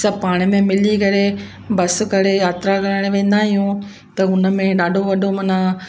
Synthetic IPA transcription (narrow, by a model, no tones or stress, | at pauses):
sɐpaːɽ̃ɪmẽmɪlikɐɾe | bɐsʊ̆kɐɾejaːt̪ɾaɡɐɾəɽ̃ʋẽːn̆d̪aɦijũ | t̪ɐʊnə̆mẽɗaːɖʱoʋɐɗʱomɐna